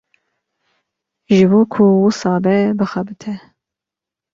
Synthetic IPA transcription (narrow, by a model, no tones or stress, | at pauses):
ʒɨboːkʰuwusɑːbɛbɨxɛbɨt̪ʰɛ